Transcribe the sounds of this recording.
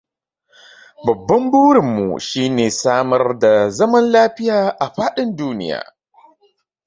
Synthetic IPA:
bɐ˨bːɐ˦mbuː˦ɽɪ˨mːṵ˨ʃiː˦neː˨saː˦mɐ˦rda˨zɐ˦mɐ˦nlaː˦ɸɪ˦jaː˨ʔa˨ɸaː˦ɗɪ˦nduː˦nɪ̰˦ja̰ː˨

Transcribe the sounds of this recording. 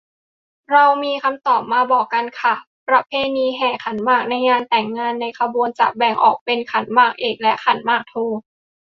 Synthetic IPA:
ɾa˧wmiː˧kʰa˧mt̪ɔː˨˩p̚maː˧bɔː˨˩kːa˧nkʰa˧˩ | pɾa˦˥pʰeː˧niː˧ɦɛː˨˩kʰa˩˦nmaː˥˩k̚na˧jŋaː˧nt̪ɛː˨˩ŋːaː˧nːa˧jkʰa˧buː˧ənt͡ɕa̰˨˩k̚bɛ˨˩ŋʔɔ̰ː˨˩k̚pe˧nkʰa˩˦nmaː˥˩k̚ʔeː˨˩k̚lɛ˦˥kʰa˨˩˦nmaː˥˩k̚t̪ʰoː˧

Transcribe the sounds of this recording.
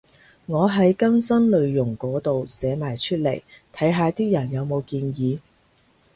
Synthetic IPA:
ŋɔː˨˧ɦɐ˨˥jkɐ˥msɐ˥nlɵ˨˧ɥjʊ˨˩ŋkɔː˨˥t̪o˨wsɛː˨˥maː˨˩jt͡ʃʰɵ˥t̚le˨˩jt̪ʰɐ˨˥jɦaː˨˧t̪iː˥jɐ˨˩njɐ˨˧wmo˨˧wkiː˧njiː˨˧

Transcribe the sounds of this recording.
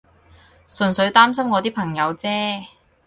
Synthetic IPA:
sɵ˨˧nsɵ˨˧ɥt̪aː˥msɐ˥mkɔː˨˧t̪̬iː˥pʰɐ˨˩ŋjɐ˨˧wt͡sɛː˥

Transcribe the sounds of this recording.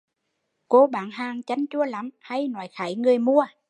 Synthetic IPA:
ko˧˦ɓaː˨˩nɦaː˨˩ŋt͡ɕa˧˦jŋ̟t͡ɕu˧˥əla˨˦mha˧jnɔ̰˨˦jxaː˨˩˦jŋɨ˨˩əjmu˧ə

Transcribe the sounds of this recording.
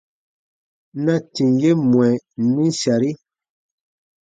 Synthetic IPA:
na˦ti˨ŋje˦mwɛ˨˦nĩ˦sa˨ɾi˦

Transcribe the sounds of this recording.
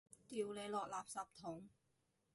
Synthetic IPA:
t̪iː˨wle˨˧˥jlɔː˨k̚laː˨p̚sɐ˨˩p̚t̪ʰʊ˨˥ŋ

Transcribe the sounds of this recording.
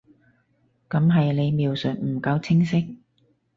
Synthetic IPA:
kɐ˨˧˥mɦɐ˨jle˨˧jmiː˨wsɵ˨t̚m̩˨˩kɐ˨˧wt͡sʰɪ˥ŋsɪ˥k̚

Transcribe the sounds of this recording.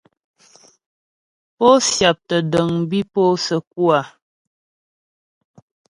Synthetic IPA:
po˦sja˨p̚tə˨də˨ŋbi˦po˦sə˨k̚wa˨

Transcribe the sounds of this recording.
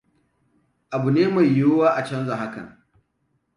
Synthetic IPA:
ʔa˨bu˨neː˦ma˨jːoː˦waː˦ʔa˨t͡ʃɐ˦nza˨ɦa˦kɐ̰˨ŋ

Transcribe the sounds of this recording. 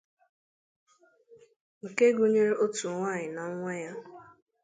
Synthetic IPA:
ŋ̩˨ke˦ɡu˦ɲe˦ɾe˦o˦tu˨ŋʷaː˦˨ɲɪ˨na˨˦ŋʷɛ˦ja˦

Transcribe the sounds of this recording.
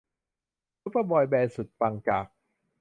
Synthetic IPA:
u˦˥pa˧bɔː˧jbɛː˧su˨˩t̪̚pa˧ŋkaː˨˩k̚

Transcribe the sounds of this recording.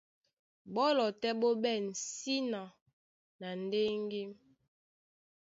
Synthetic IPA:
bɔ˦lɔ˨tɛ˦ɓo˦bɛ˦˨n̩˨si˦na˨ | na˨n̩˨de˦ŋ˦ɡi˦m

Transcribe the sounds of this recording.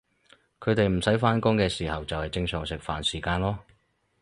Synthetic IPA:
kʰɵ˨˧ɥt̪e˨jm̩˨˩sɐ˨˥jfaː˥nkʊ˥ŋkɛː˧siː˨hɐ˨wt͡sɐ˨whɐ˨jt͡sɪ˧ŋsœː˨ŋsɪ˨k̚faː˨nsiː˨˩kaː˧nlɔː˥

